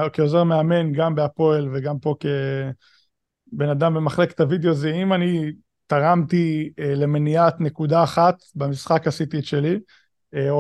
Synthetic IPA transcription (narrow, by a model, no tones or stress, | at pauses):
keozeʁmeame̞nɡambeapo̞elveɡampo̞ke | be̞nad̪ambemaχle̞ke̥t̪avid̪eozeimani | t̪aʁamt̪ile̞meniat̪nekud̪aːχat̪bamisχakasit̪iʃeli | eo